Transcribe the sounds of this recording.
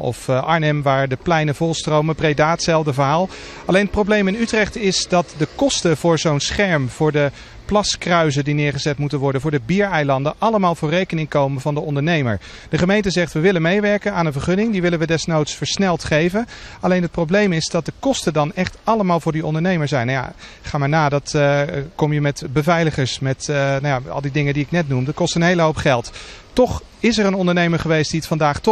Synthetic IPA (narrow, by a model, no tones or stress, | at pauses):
ɔ̰fɑɹnɛmʋaːɹdəplɛjnəvɔlˠstrowməbrejdaːtsɛlˠvdəvəɦaːlˠ | ɑlejnət̚prowblejmɪnytrɛχtɪsdɑtdəkɔstəv̥ʊːɹzownsχɛɹmv̥ʊːɹdə | plɑskrœɥzədinɪːɹχəzɛtmutənʋɔɹdənvʊːɹdəbiːɹɛjlɑndənʔɑləmaːlˠvʊːɹrejkənɪŋkowmənvɑndəɔndəɹnejmə̰ɹ | d̥əχəmejntəzɛχtʋəʋɪlənmejʋɛɹkənaːnənvəɹχɵnɪŋdiʋɪlənʋədɛsnowtsfəɹsnɛlˠtχejvənɑlejnɦət̚prowblejmɪzdɑt̚dəkɔstədɑnɛχtɑləmaːlˠvʊːɹdiɔ̰ndəɹnejməɹzɛjnja̰kχaːmaːɹnaːdɑtkɔmjəmɛtbəvɛjləχəɹsmɛtnawjaɑ̰lˠdidɪŋəndiɪknɛtnumdəkɔstənɦejləɦowpχɛlˠttɔχ | ɪsərənɔndəɹnejməɹχəʋejstd̥iətfɑndaːχt